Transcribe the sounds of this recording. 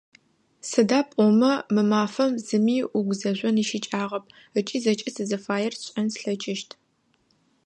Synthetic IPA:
sɨdaːpʷʼɔmɐmɨmaːfɐmzɨmiːʔʊɡʷzɐʑʷɔniʃɪt͡ʃʼaːʁɐp̚ʰ | ət͡ʃʼiːzɐt͡ʃʼɪsɨzɐfaːjɛrɕʼɐnsɬɐt͡ʃʼɪʃtʰ

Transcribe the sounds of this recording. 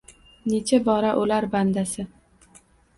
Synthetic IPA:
ne̞t͡ʃʰabɒɾaʔʊlaɾband̪asɪ

